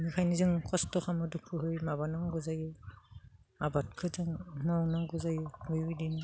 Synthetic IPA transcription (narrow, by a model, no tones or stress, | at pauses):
mikʰajnizɯŋkʰɔstɔxʰamɯdukʰːɯɦɯjmaβanaŋɡuzajɯ | abat̚kʰɯzɯŋmɔwnaŋɡuzajɯbɯjwidin